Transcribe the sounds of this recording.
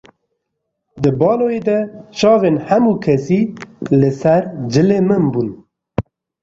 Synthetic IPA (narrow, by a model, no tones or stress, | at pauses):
d̪ɨbɑːloːjeːd̪ɛʃɑːveːnhɛmuːkʰɛsiːlɨsɛɾd͡ʒɨleːmɨmbun